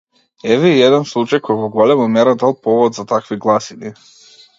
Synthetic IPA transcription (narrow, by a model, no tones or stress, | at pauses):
ɛvɛiɛd̪ɛnslˠut͡ʃajkʰɔjvɔɡɔlɛmamɛɾad̪alˠpɔvɔd̪zat̪akviɡlˠasini